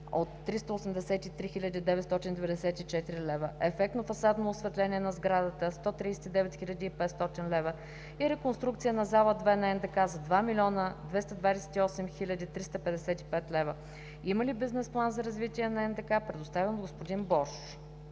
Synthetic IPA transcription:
ot̪ːɾist̪əʊsɛmd̪ɛsɛt̪it̪ɾixilʲəd̪id̪ɛvɛt̪st̪ɔt̪ind̪ɛvɛd̪ɛsɛt̪it͡ʃɛt̪iɾilɛvəɛfɛk̚t̪nofɐsad̪noːsvɛt̪lɛnʲiɛnɐzɡɾad̪ət̪əst̪ɔt̪ɾisɛ̥t̪id̪ɛvɛt̪xilʲəd̪iːpɛt̪st̪ɔt̪inlɛvə | iɾɛkonst̪ɾuk̚t̪sijənɐzalˠəd̪vɛnɐɛnd̪ɛkazɐd̪vamilʲɔnəd̪vɛst̪ɐd̪vad̪ɛsɛ̥t̪iɔsɛmxilʲəd̪it̪ɾist̪əpɛd̪ɛsɛt̪i̥pɛt̪lɛvə | iməlibiznɛsplˠanzɐɾɐzvit̪iɛnɐɛnd̪ɛkapɾɛd̪ost̪avɛnd̪ɡospod̪inbɔʃ

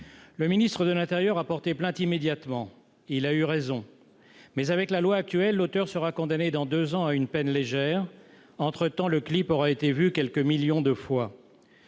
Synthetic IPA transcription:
ləminist̪χəd̪əlɛ̃t̪eʁjœʁapɔʁt̪eplɛ̃t̪imed̪jat̪mɑ̃ | ilayʁezɔ̃ | mɛzavɛklalwaːk̚t̪yɛlːot̪œʁsəʁakɔ̃d̪aned̪ɑ̃d̪øzɑ̃aynpɛnleʒɛːʁ | ɑ̃t̪χət̪ɑ̃ləklipɔʁaet̪evykʲɛlkəmiljɔ̃d̪əfwa

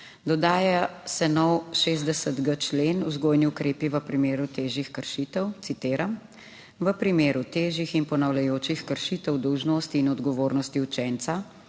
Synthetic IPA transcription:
d̪ɔd̪aːjasɛnɔwʃeːzd̪ɛsəd̪ɡət͡ʃleːnuzɡoːjniukɾeːpiʋəpɾimeːɾut̪eːʒixkəɾʃit̪əwt̪sit̪eːɾam | ʋəpɾimeːɾut̪eːʒixinpɔnawlɛjoːt͡ʃixkəɾʃit̪əwd̪ɔwʒnoːst̪iːnɔd̪ɡɔʋoːɾnɔst̪iut͡ʃɛnt̪sa

